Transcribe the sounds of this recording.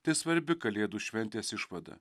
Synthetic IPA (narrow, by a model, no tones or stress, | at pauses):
t̪ʲɪsʋɐɾʲbʲɪkɐlʲeːd̪uːʃʲʋʲɛnʲt̪ʲeːsɪʃʋɐd̪ɐ̰